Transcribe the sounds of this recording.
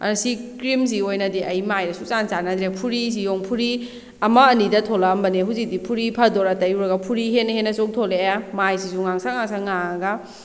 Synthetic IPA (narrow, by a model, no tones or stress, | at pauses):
ɐ̰ɾsikɾims̬iojnɐdiʔɐjmajɾɐsut͡ʃant͡ʃanad̪ɾepʰuɾis̬ijoŋpʰuɾi | ɐmɐːnidɐtʰolɐmbɐneɦuzik̚dipʰuɾipʰɐdoɾɐtɐjuɾɐɡɐpʰuɾiɦenɐhenːɐsok̚tʰolejamajsisuŋaŋsaŋaŋsaŋaɡɐ